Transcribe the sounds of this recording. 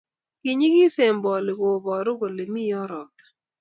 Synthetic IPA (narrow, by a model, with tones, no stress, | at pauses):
ki˨ɲi˦ɡi˦se˨mbɔ˨lɪ˨ɡo˨bɔ˨ɾʊ˦ɡo˨le˨mi˦jɔ˦ɾɔ˨t̪ḁ˨